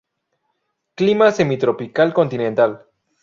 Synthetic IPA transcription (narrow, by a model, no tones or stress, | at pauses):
klimase̞mit̪ɾopikalko̞nt̪inẽnt̪al